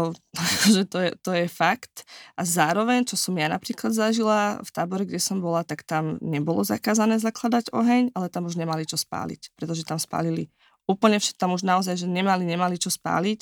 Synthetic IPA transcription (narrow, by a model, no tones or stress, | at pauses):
akʰɔʒɛt̪ɔjɛt̪ɔjɛfakt̪ʔazaːɾɔʋɛɲt͡ʃɔsɔmjana̰pɾiːklad̪zaʒilaft̪aːbɔɾɛɡɟɛsɔmbɔlat̪akt̪amɲɛbɔlɔ̰za̰kaːzanɛːzaklad̪aɟɔɦɛɲalɛt̪amuʒɲɛmalit͡ʃɔspa̰ːlḭcpɾɛt̪ɔʒɛt̪amspa̰ːlili | uːpl̩ɲɛfʃɛ̥t̪amuʒnaɔzajʒɛɲɛmaliɲɛmalit͡ʃɔspa̰ːlic